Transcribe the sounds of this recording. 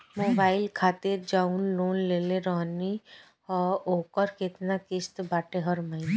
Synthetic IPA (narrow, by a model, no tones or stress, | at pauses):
moːbaːɪlkʰaːt̪ɪɾd͡ʒaːunloːnleːleɾɔɦni | ɔːɾoːkəɾkɪt̪nakɪst̪baːʈeɦəɾməɦɪne